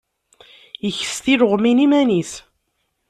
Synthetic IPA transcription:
jəçə̥st̪iɾəʁminimænis

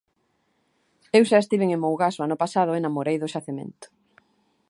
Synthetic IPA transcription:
ewʃaest̪iβeŋẽŋmowɣasoanʊpasaðʊenamoɾejðʊʃaθemḛnt̪ʊ̥

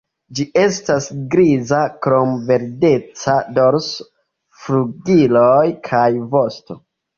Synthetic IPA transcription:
d͡ʒiʔe̞stasɡɾizakɾo̞mve̞ɾde̞t͡sado̞ɾs | fɾuɡilojkʰajvo̞sto̞

